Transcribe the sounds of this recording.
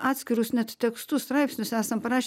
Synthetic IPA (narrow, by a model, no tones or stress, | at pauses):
ɑːt̪ʲsʲkʲɪɾʊsnʲɛt̪tʲɛkst̪ust̪ɾɐɪpʲsʲnʲʊsæːsɐmpɐɾɑːʃʲ